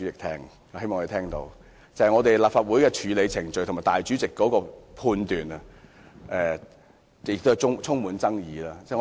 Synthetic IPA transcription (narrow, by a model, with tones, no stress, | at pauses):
t͡sɪ˨k̚t̪ʰɛː˥ŋ | ɔː˨˥he˥mɔ˨ŋɔ˧e˨˩t̪ʰɛː˥ŋt̪o̰˧w | t͡sɐ˨˩hjŋɔː˨˧t̪e˨jlaː˨pfaː˧t̚wuː˨˥jkɛː˧t͡ʃʰyː˨˧le˨˧jt͡sʰɪ˨˩ŋt͡ʃɵ˨jtʰmaː˨˩t̪aː˨jt͡ʃy˨˥t͡sɪ˨kːɔː˨˦˥kɔː˧pʰuː˧nt̪yː˨˩nɐ˧ | ʔɛ˧ | jɪ˨k̚t̪ːjt͡sʰʊ˥ŋt͡sʰʊ˥ŋmuː˨˥nt͡sɐ˥ŋjiː˨˧laː˥t͡sɛ˥˧ŋ˧